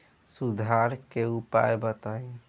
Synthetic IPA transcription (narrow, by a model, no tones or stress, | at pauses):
sud̪ʱaɾkeupa̰jbət̪aj